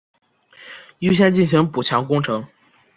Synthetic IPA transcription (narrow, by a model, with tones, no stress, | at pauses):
y˥ɕ̬jɛ˥nt͡ɕi˥˩nɕ̬i˧˥ŋpu˨˩t͡ɕʰjɑ˧˥ŋkʊ˥ŋʈ͡ʂʰɤ˧˥ŋ